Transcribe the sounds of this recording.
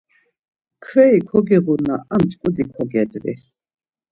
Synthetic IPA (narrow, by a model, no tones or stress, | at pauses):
kʰvɛikʰɔɡiʁunaamt͡ʃʼkʼud̪ikʰɔɡɛd̪ɾḭ